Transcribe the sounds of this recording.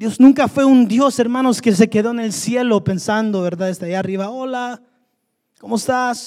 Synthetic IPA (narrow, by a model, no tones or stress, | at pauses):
d̪jo̞znũŋkafwe̞und̪jo̞se̞ɾmãno̞skes̬e̞ke̞ðo̞ene̞lsje̞lope̞nsand̪o̞βeɾðaðest̪eajaariβaola | komoest̪as